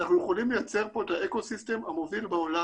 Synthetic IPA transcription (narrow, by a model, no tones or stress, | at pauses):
naχnujeχolimlejat͡se̞ʁpo̞et̪haeko̞sist̪e̞mamo̞vilbeola